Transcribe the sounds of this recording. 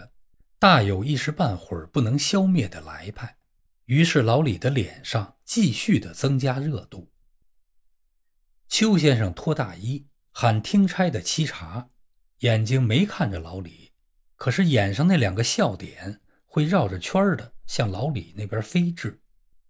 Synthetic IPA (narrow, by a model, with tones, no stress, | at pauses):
t̪a˥˩jo˨˩ʊi˥˩ʂɻ̩˧˥pa˥˩nxwə̰˞˨˩pu˥˩nɤ˧˥ŋɕjɑ˥ʊmjɛ˥˩d̪ə˩la̰˧˥ɪpʰa˥˩ɪ | y˧˥ʂɻ̩˥˩lɑ˧˥ʊli˨˩d̪ə˦ljɛ̰˨˩nʂɑ˥˧ŋt͡ɕi˥˧ɕy˥˩d̪ə˩t͡sɤ˥ŋt͡ɕja˥ɻɤ˥˧t̪u˥˩ | t͡ɕʰjo˥ʊɕ̬jɛ˥nʂɑ˥˧ŋt̪ʰwɔ˥t̪a̰˥˩i˥ | xa˨˩nt̪ʰi˥ŋʈ͡ʂʰa˥ɪd̪ə˨t͡ɕʰi˥ʈ͡ʂʰa˧˥ | jɛ˨˩nt͡ɕi˥ŋme˧˥ɪkʰa˥˩nʈ͡ʂə˩lɑ˧˥ʊli˨˩˦ | kʰɤ˨˩ʂɻ̩˥˩jɛ˨˩nʂɑ˥˧ŋna˥˩ljɑ˨˩ŋɡə˦ɕjɑ˥˩ʊt̪jɛ˨˩˦n | xwe˥˧ɪɻɑ˥˩ʊʈ͡ʂə˩t͡ɕʰwɐ˥d̪ə˨ɕjɑ˥˩ŋlɑ˧˥ʊlḭ˨˩ne˥˩ɪpjə˞˧˥fe˥ɪʈ͡ʂɻ̩˥˩